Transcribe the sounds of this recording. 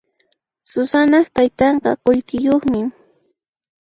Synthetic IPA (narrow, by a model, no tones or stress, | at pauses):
sʊsanɑχt̪ajt̪ɑɴɢɑ̰qoʎkɪjoχmɪ